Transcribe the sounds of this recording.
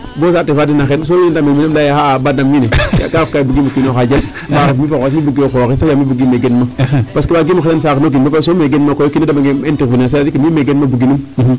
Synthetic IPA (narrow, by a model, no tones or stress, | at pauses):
bos̬atefadinaxens̬oendameminemlajahabadamːineja̰kaafkaibuɡimukinoxad͡ʒam | baɾafmifaasmibuɡiokooesajamibuɡimeɡenmapaskibaɡimuxedansaknoɡimaasomeɡenmakojokiedamaɡeentikbinasaadikimimeɡenmabuɡinum